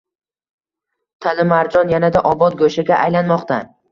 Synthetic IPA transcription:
t̪ʰalɪmaɾd͡ʒɒnjanad̪aʔɒbɒt̪̚ɡɵʃaɡʲaʔajlanmɒqt̪ʰa

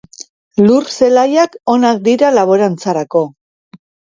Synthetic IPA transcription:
lurse̞lajako̞nak̚d̪iɾalaβoɾant͡saɾako̞

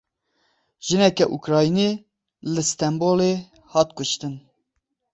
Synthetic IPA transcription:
ʒ̥ɨnɛkɛʔukɾɑːjiniː | lɨst̪ɛmboːleː | hɑːt̪̚kʊʃt̪ɨn

